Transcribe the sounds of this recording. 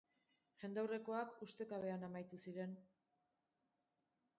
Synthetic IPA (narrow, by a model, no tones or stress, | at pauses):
ʝe̞nd̪awre̞ko̞akust̪e̞kaβe̞anamajt̪usiɾe̞n